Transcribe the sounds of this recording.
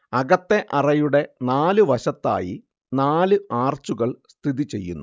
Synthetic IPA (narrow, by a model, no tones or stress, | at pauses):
ɐɣɐt̪ːe̞ʔɐrɐjuɽe̞naːlɨʋɐɕɐt̪ːa̰ːjḭ | naːlɨaːrt͡ɕuɣɐɭst̪ʰiðit͡ɕe̞̰jːṵnːu